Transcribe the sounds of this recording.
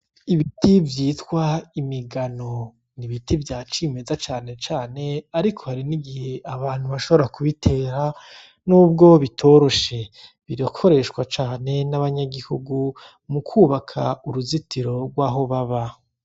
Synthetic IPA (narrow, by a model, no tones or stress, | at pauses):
iβitʰivjiːtwaimiɡano̞ | niβitivjaːt͡ʃiːme̞zat͡ʃaːne̞t͡ʃaːne̞aɾikʰo̞haɾiniɡihe̞aβaːn̥huβaʃo̞βoɾakuβitʰe̞ːɾa | nuːb̚ɡo̞βitʰo̞ɾo̞ʃe̞ | βiɾakʰo̞ɾe̞ʃkwat͡ʃaːne̞naβaɲaɡihuɡu | mukʰuːβakʰa̰uɾuzitʰiɾo̞ɡwaːɦo̞βaβa